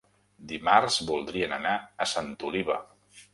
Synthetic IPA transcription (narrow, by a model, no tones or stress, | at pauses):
d̪imarzbulˠd̪ɾiənənaəsant̪uliβə